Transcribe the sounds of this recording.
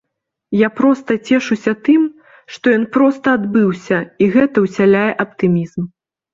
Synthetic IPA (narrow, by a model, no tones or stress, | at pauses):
japɾɔst̪ɐt͡sʲɛʂusʲɐt̪ɨm | ʂt̪ɔjɔnpɾɔst̪ɐad̪bɨwsʲɐiɣɛt̪ɐwsʲalʲajɛʔɐp̚t̪ɨmʲizm